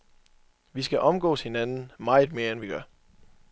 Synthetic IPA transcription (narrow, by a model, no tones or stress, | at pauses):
ʋisɡ̥æʔɒ̽mɡ̥ɔ̰ːshe̝nænn̩mɑ̈ɪð̩ˠme̝ːɐenʋiɡ̥ɶɐ